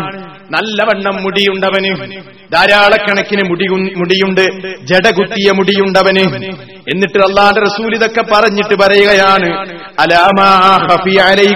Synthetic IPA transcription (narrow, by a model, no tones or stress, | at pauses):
nɐlːɐʋɐɳːɐmːuɽijuɳɖɐʋɐnɨ | d̪aːɾaːɭɐkːɐɳɐkʲːinɨmuɽijuɳɖɨd͡ʑeɽɐɡut̪ːijɐmuɽijuɳɖɐʋɐnɨ | e̞nːiʈːɨɐlːaːnderɐsuːliðo̞kːe̞pːɐrɐɲːiʈːɨpɐɾɐjuɣɐjaːɳɨ | ɐlaːmaːaːxɐfiːʕalɐj